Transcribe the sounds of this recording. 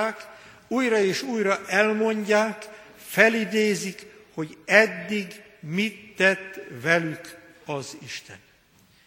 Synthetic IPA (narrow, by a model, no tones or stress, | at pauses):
k | uːjɾɒeːʃuːjrɒʔɛlmo̞ɲɟaːk | fɛlid̪eːzikho̞ɟɛd̪ːiɡ | mit̪ːɛt̪ːvɛlyk | ɒziʃt̪ɛ̰n